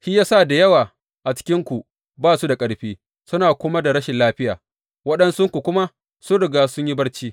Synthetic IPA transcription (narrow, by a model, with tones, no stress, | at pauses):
hi˦jaː˦sa˦˨da˨jɐ˦waː˨ | ʔa˨t͡ʃɪ̥˦kʲɪ˦ŋkʷu˨ | baː˦˨su˦da˨kʼɐ˨ɽɸiː˦ | sʊ˦naː˨kʷʊ˦ma˦da˨ɾɐ˦ʃɪ˨nlaː˦ɸɪ˦jaː˨ | wɐ˦ɗɐ˦nsʊ˦ŋkʷu˨kʷʊ˦ma˦ | sʊ˦nɽɪ˨ɡaː˦sʊ˦ɲji˦bɐ˦ɽt͡ʃiː˦